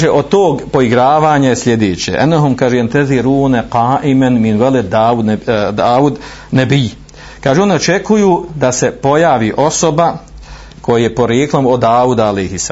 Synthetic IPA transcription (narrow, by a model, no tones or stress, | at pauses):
ʒeʔo̞t̪oːɡpo̞iɡɾaːʋaːɲajesljed̪eːt͡ɕḛʔɛ̰nːoɦomkaːʒeant̪ɛðiɾuːneqaːʔimenminueled̪aːud̪aːud̪ | nebi | kaːʒeo̞nio̞t͡ʃekujuːd̪ase̞po̞jaːʋiʔo̞so̞ba | kʰojajepo̞ɾjeːklˠomod̪aːud̪aalejhis